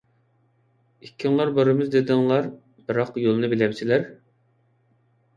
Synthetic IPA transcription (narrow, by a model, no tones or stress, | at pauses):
ikʲʰːiŋlˠɑɾbɑɾɨmɨzd̪ed̪ɪŋlˠɑɾ | b̥ɨɾɑqjolˠɨnɨbelɛpt͡ʃʰilæɾ